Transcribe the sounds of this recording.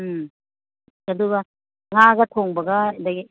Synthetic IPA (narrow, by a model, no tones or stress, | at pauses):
ɯ | ɐduɡɐ | ŋaɡɐt̪ʰoŋbɐɡɐdɐɡi